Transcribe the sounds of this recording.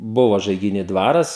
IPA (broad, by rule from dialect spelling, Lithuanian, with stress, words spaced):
ˈbʊʋɐ ʒɐɪɡʲɪˈnʲiː ˈdʋɑːrɐs